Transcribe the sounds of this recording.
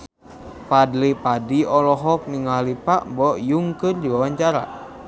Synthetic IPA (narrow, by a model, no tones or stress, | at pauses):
padlipadiɔlɔɦɔk̚niŋalipaʔmbɔʔjuŋkɨrdiwawaɲt͡ʃaɾa̰